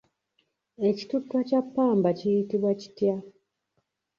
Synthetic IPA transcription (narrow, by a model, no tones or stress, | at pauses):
e̞ci̥tutːwacapːaːmbacijitiβwaci̥tja